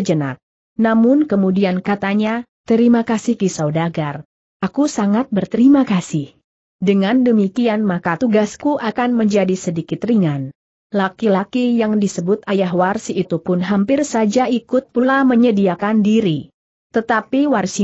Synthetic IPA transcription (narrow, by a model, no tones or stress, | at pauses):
d͡ʒəna̰t̪̚ | namʊnkəmudiankat̪aɲat̪əɾimakasihkisawdaɡar | akusaŋat̪̚bərt̪əɾimakasɪh | dəŋandəmikianmakat̪uɡaskuʔakanməɲd͡ʒadisədikɪt̪riŋan | lakilakijaŋdisəbʊt̪̚ajaɦwarsiit̪upʊnɦampɪrsad͡ʒaikʊt̪̚pulaməɲədiakandiɾi | t̪ət̪apiwarsi